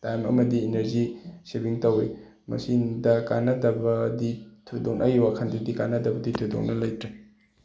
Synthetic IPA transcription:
tajmɐ̰mɐdieneɾzisebiŋtɐwi | mɐ̰sindɐkanːɐdɐbɐditʰudoŋʔɐ̰jwakʰɐndudikanːɐdɐbɐditʰudo̰ŋnɐlɐjtɾe

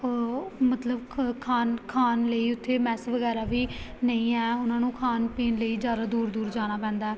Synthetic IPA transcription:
mət̪ləbkʰaːnkʰaːnləiːʊt̪ʰːeːmɛːsʋəɡɛːɾaːʋiːnəĩːɛːʊnãːnũːkʰaːnpiːnləiːzjaːd̪aːd̪uːɾd̪uːɾd͡ʒaːñaːpɛ̃ːnd̪aɛː

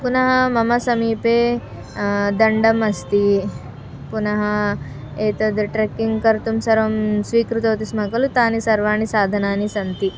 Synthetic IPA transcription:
punɐɦɐmɐmɐsɐmiːpeː | d̪ɐɳɖɐmɐst̪i | punɐɦɐ | eːt̪ɐd̪ʈɾekːiŋɡkɐɾt̪umsɐɾɐmsʋiːkɾut̪ɐːt̪ismɐkɐlut̪aːnisɐɾʋaːɳisaːd̪ʱɐnaːnisɐnt̪i

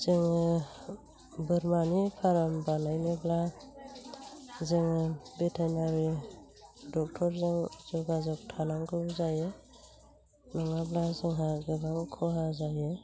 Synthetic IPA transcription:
z̥eŋ | bɯɾmanipʰaɾambanajnebla | zeŋbetʰajnaɾi | dɔk̚tʰɔɾzeŋzɔɡazɔk̚tʰanaŋɡɯbzaje | nɔŋablazɯŋɦaɾɡɯbaŋkʰɔɦazaje

